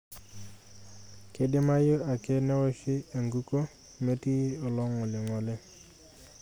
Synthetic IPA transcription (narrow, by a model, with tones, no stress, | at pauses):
kɪ˨dɪ˦ma˦jʊ˦a˨kɪ˦nɛ˦wɔ˦ʃɪ˦e˨ŋɡu˦ko˦ | me˦ti˦ɔ˨lɔ˦ŋːʊ˨lɪ˨ŋɔ˨lɪ˦